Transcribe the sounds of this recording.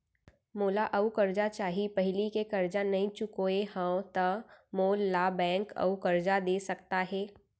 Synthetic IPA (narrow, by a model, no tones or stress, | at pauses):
moːlaʔɐukɐɾd͡ʒat͡ʃaːɦipɐɦɪlikekɐɾd͡ʒanɐɦĩt͡ʃʊkoehə̃t̪ɐmoːlːaːbɛ̃ːŋkɐ̰ukɐɾd͡ʒad̪eːsɐk̚t̪aɦɛː